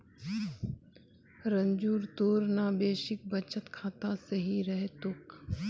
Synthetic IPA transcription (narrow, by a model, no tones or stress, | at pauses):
ɾə̃ɲd͡ʒuːɾt̪oːɾnaːbeːʃɪk̚bət͡ʃət̪kʰaːt̪asɐɦiɾɐɦet̪ʊk